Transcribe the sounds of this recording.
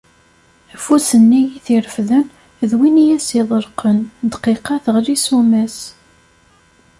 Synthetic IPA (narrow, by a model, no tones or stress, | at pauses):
fusənːijiθiɾəfðən | ðwinijæsiðˤəɾqənd̪qiqɑθəʁlisumæs